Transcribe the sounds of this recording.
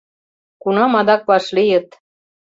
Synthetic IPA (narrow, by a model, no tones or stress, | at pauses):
kunɑmɑd̪ɑk̚pɑʃlijə̆t̪